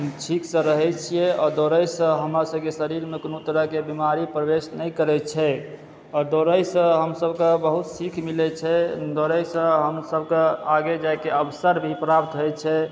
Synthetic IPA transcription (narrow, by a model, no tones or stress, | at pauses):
ɦmt͡ʃʰiksə̃ɾəɦɛt͡ʃʰijɛɔd̪oɾəjsə̃ɦəmɾasəbkesəɾiɾmeknut̪əɾəɦkebimaɾipɾəbesnəjkəɾɛt͡ʃʰɛ | ɔd̪oɾəjsə̃ɦəmsəbʱkẽbəɦut̪sikʰmilɛt͡ʃʰɛd̪oɾəjsə̃ɦəmsəbʱkẽaɡed͡ʒajkeəbəsəɾbʱipɾap̚t̪ɦjt͡ʃʰɛ